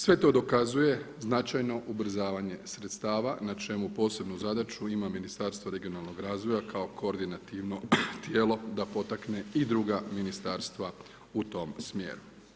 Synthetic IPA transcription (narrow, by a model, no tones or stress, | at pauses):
sʋe̞t̪o̞d̪o̞kazuje̞znat͡ʃajno̞ʔubɾ̩zaːʋaɲe̞sɾet̪st̪aːʋanat͡ʃe̞mupo̞ːse̞bnuzad̪at͡ʃuimaminist̪aɾst̪ʋoɾe̞ɡio̞naːlˠno̞ɡɾaːzʋo̞jakʰao̞kooɾd̪inat̪iʋno̞t̪je̞ːlˠo̞d̪apo̞t̪akne̞id̪ɾuɡaminist̪aɾst̪ʋa | ut̪o̞ːmsmje̞̰ːɾu